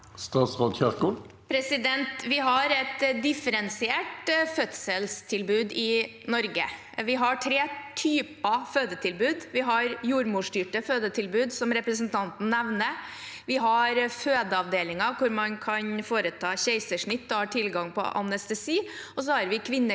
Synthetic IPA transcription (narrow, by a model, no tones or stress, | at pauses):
st̪ɑːt̪sʁoːd̪çæʁkʊ | pʰɾɛsɪd̪ɛnt̪ʋɪɦɑɾɛt̪d̪ɪfəɾɛnsɪeːʈfœt̪səlst̪ʰɪlbʉːd̪ɪ | nɔɾɡə | ʋɪɦɑʈʰɾeːt̪ʰyːpɑføːd̪ət̪ʰɪlbʉːd̪ʋɪɦɑɾjuːɾmuːʂʈyːʈəføːd̪ət̪ʰɪlbʉːd̪sɔmɾɛpɾəsənt̪ʰɑnt̪n̩nɛʋnə | ʋɪɦɑɾføːd̪əɑʋd̪eːlɪŋɑkʊɾmɑnkʰɑnfoːɾət̪ʰɑːçeɪsəʂɳɪt̪ːɔhɑʈʰɪlɡɑŋpʰɔ̰ʔɑ̰nɛst̪ɛsiː | ɔs̬ɔhɑɾʋɪkʰʋɪnːə